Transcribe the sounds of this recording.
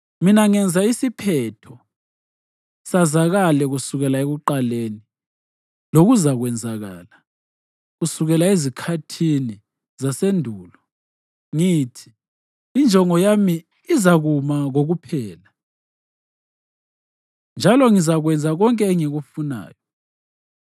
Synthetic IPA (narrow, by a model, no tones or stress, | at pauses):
minaŋɛnd͡zʱaisipʰɛtʰɔ | sazaɣalɛɣusuɣɛlaeɣuǃaleːni | loɣuzaɣwɛnd͡zʱaɣa̰ːla | ɣusuɣɛlaezikʰatʰini | zasendʱuːlɔ | ŋitʰi̥ː | nd͡ʒʱɔŋɔjamiː | zaɣumaɣoɣupʰɛːla | nd͡ʒʱalɔŋizaɣwɛnd͡zʱaɣɔŋkʼɛːŋiɣufuna̰ːjɔ